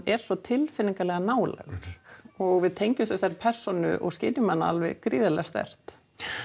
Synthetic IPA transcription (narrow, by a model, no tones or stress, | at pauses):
ɛɾ̥svɔt̪ʰɪlfɪnːiŋkalɛɣanaːwla̰ɣʏɾ̥ɔɣvɪðt̪ʰejɲcʏmsɛsaɾpʰɛr̥sɔnʏ̰ʔɔ̰ɣscɪːt̪ʏmːanːaa̰lvɛ̰ɣkɾiːðalɛst̪vɛ̰r̥t̪